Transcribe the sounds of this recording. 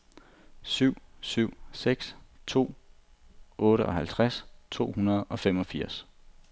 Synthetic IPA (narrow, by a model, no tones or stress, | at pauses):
syʊ̰syʊ̰seɡ̥st͡sʰo̝̰ː | ʔɔ̽ːɾəʔɒ̽hælt͡sʰʁast͡sʰo̝̰ːhunɐð̞̩ˠɒ̽femɒ̽fiɐ̰s